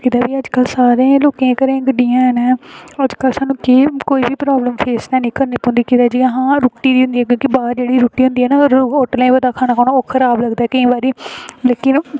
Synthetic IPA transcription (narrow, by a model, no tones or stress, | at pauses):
kiːt̪aːbiːəd͡ʒkəlsaːɾẽːloːkẽːkəɾẽːɡəɖɪjãːnːəd͡ʒkəlsaːnũːkɪkoːiːbiːpɾaːbləmpʰeːsnãːnĩːkəɾneːpɦʊ̃nd̪iːkiːt̪aːd͡ʒiːəɦãːɾʊːʈːiːd̪iːɦʊ̃nd̪iːɛːk̬jõːkibaːɾd͡ʒeːɽiːɾuːʈːiːɦʊ̃nd̪iːɛːnaːɾoːʈlẽːbəd̪aːkʰaːnaːkoːnõːoːkʰəɾaːbləɡd̪aːɛːkəĩːbaːɾiːleːkɪn